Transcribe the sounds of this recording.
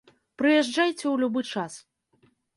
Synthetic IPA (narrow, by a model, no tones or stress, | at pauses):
pɾɨjɛʐd͡ʐajt͡sʲɛwlʲubɨt͡ʂas